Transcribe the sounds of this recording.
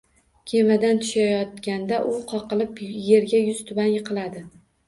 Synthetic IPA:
kʲʰe̞mad̪ant̪ʰʊ̥ʃajɒt̪kʲand̪aʔʊqʰɒqɨlˠɪpje̞ɾɡʲajʊz̥t̪ʰʊbanjɨqʰɨlˠad̪ɪ

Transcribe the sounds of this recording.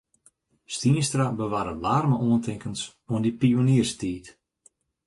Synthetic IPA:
stiənstrabəʋaːɾəlaːrməʔoəntʰɪŋkəns | oəndipioniərstiːt

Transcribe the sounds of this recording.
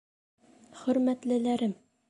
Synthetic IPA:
χɵ̆ɾmæt̪lɘ̆læɾɘm

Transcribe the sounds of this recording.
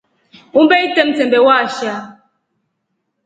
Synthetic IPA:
ubeitemtembewaʃja

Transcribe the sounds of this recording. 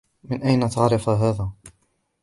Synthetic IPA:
mɪnʔajnat̪aʕɾɪfaɦaːðaː

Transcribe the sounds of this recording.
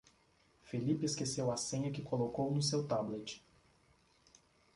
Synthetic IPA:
filipɪeskesewɐsẽɲɐkɪkolokownʊsewt̪ablet͡ʃɪ̥

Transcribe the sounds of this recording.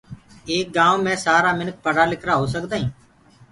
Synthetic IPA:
eːk̚ɡãːõmɛ̃ːsaːɾaːmɪnək̚pəɽaːlɪkʰɾaːɦoːsəkd̪aːɦĩː

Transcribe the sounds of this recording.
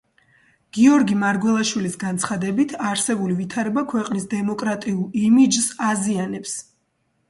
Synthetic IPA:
ɡ̥iɔɾɡimaɾɡwɛlˠaʃwilisɡant̪sʰχad̪ɛbit̪ʰaɾsɛbulivit̪ʰaɾɛbakʰwɛqʼnisd̪ɛmɔkʼɾat̪ʼiulˠimid͡ʒsazianɛps

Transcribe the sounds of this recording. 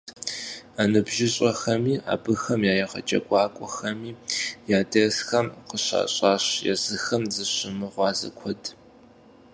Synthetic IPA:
anɨbʒɪɕʼɐxɐmiːa̰ːbɨxɐmjaːjɛʁɐ̰t͡ʃʼɐ̰ɡʷʼɑːkʷʼɔxɐmiːjaːdɐsxɐmqəɕa̰ːɕʼaːɕjɛ̰zɨxɐmzɨɕɪmɨʁʷɑːzɐ̰kʷʰɔd

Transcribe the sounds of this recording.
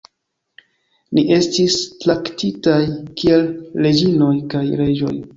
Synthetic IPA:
niʔe̞stistlaktitajkie̞lːe̞d͡ʒino̞jkajɾe̞d͡ʒo̞̰j

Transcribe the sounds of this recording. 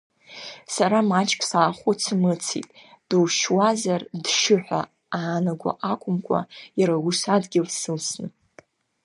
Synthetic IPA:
saɾamat͡ʃʼkʲʼsaːχʷʊt͡sʰɨmɨt͡sʰḭtʼ | d̥uwʃwazardʂɨħʷᶣa̰ | aːnaɡʷa̰ʔakʷʼʊmkʷʼa̰jaɾawusadɡʲɪlsɨlsnɨ

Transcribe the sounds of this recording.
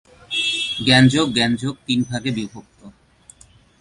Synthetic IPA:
ɡɛnd͡ʑoɡ̚ɡɛnd͡ʑoɡ̚t̪inbʱaɡebibʱok̚t̪o

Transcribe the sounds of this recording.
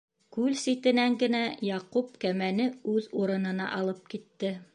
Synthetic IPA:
kʉlsit̪ɘ̆næŋɡɘ̆næjɑqup̚kæmænɘʉðuɾɤ̆nɤ̆nɑ̰ʔɑlˠɤp̚kit̪ːɘ

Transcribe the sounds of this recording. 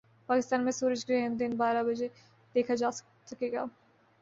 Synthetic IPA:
paːkɪst̪aːnmẽsuːɾɪd͡ʒɡɾɛɦənd̪ɪnbaːɾabɐd͡ʒe | d̪̥eːkʰad͡ʒaː | sɐkeːɡa̰ː

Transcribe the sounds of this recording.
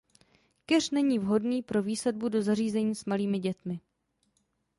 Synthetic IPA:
kɛrnɛɲiːvɦo̞dniːpɾo̞viːslɛd̚budo̞zariːzɛɲiːsmaliːmɪɟɛt̪mɪ

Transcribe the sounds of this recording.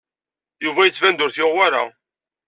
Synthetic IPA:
juvæjət͡sːvænd̪ʊɾθjɪʁwaɾa̰

